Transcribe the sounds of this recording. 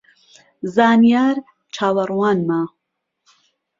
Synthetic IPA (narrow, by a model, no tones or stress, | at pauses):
zaːnjaːɾ | t͡ʃʰaːwɐrˤwaːnmaː